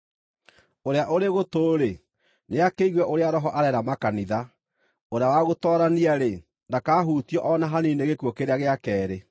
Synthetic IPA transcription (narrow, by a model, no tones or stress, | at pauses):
oɾeaʔoɾeɣotoːɾe | neakeiɣwɛʔoɾeaɾɔɦɔʔaɾɛɾamakaniða | oɾeawaɣotɔːɾaniaɾe | ndakaːɦutjɔʔɔnaɦanineɣekwɔkeɾeaɣeakɛːɾe